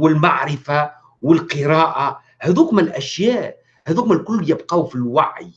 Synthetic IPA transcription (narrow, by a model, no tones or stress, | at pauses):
wɪlmaʕɾɪfa | wɪlqɨɾɑːʔa | hæðuːkmælʔæʃjæːʔ | hæðuːkmælkʊlːjɪbqɑwfilwaʕj